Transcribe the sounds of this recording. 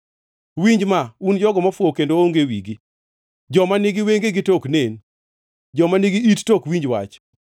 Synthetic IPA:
wiɲd͡ʒmaund͡ʒɔɡɔmafwokendooŋɡewiɡi | d͡ʒɔmanɪɡɪweŋɡeɡɪtoknen | d͡ʒɔmaniɡiittokwiɲd͡ʒwa̰t͡ʃ

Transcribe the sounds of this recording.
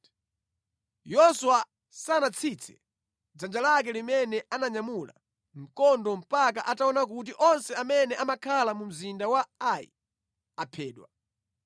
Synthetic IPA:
jɔsua | sanat͡sʰit͡sʰɛ̥ | d͡zand͡ʒalak̬ɛlimɛnɛanaɲamula̰ | m̩kɔndɔm̩pak̬aʔataɔnak̬ut̬iʔɔnsɛamɛnɛʔamakʰalamum̩zindawaajḭ | apʰɛːɗwa̰

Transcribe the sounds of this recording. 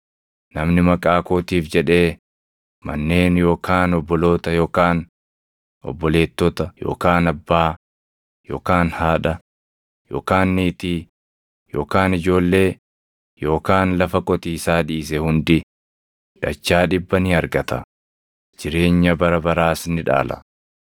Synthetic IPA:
nɐmnɪmɐkʼaːkoːt̪iːfd͡ʒɛᶑe̞ː | mɐ̰nːe̞ːnjo̞ːkaːnɔbːɔlo̞ːt̪ɐjo̞ːkaːn | ɔ̰bːɔle̞ːt̪ːɔt̪ɐjo̞̰ːkaːnɐbːaː | jo̞̰ːkaːnhaːᶑɐ | jo̞̰ːkaːnːiːt̪i | jo̞̰ːkaːnɪd͡ʒo̞ːlːe̞ː | jo̞ːkaːnlɐfɐkʼɔt̪iːsaːᶑiːsɛhʊnd̪ɪ | ᶑɐt͡ʃːaːᶑɪbːɐnɪɐɾɡɐt̪ɐ | d͡ʒɪɾe̞ːɲːɐbɐɾɐbɐɾaːsnɪᶑa̰ːlɐ̰

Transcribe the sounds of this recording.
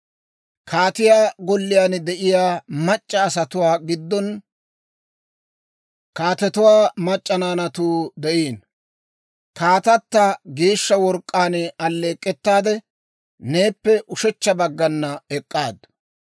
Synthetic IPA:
kʰaːt̪ɪjaːɡɔlːɪjaːnd̪ɛʔɪjaːmɐt͡ʃʼːɐːsɐt̪ʊwaːɡɪd̪ːɔn | kaːt̪ɛt̪ʊwaːmɐt͡ʃʼːɐnaːnɐt̪uːd̪ɛʔiːn | kaːt̪ɐt̪ːɐɡeːʃːɐwɔɾkʼːaːnɐlːe̞ːkʼːɛt̪ːaːd̪ɛ | ne̞ːpːɛʔʊʃɛt͡ʃːɐbɐɡːɐnːɐɛkʼːaːd̪

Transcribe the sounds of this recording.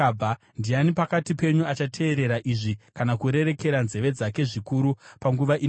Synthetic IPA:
a | ndianipakatipe̞ɲuat͡ʃatʰe̞ːɾe̞ɾaʔiʐikanakuɾe̞ɾe̞ke̞ɾanze̞ʋe̞d͡zake̞ʐikuɾupaŋɡuʋaʔi

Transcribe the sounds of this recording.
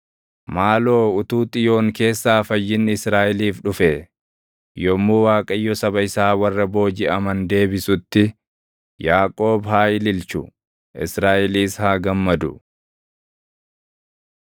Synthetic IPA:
maːlo̞ːʊt̪uːt̪ʼɪjo̞ːŋke̞ːsːaːfɐjːɪnɪsɾaːʔɪliːfᶑʊfe | jɔmːuːwaːkʼɐjːɔsɐbɐɪsaːwɐrːɐbo̞ːd͡ʒɪɐmɐnd̪e̞ːbɪsʊt̪ːɪ | jaːkʼo̞ːbɦaːɪlɪlt͡ʃʊ | ʔɪsɾaːʔɪliːshaːɡɐmːɐd̪ʊ

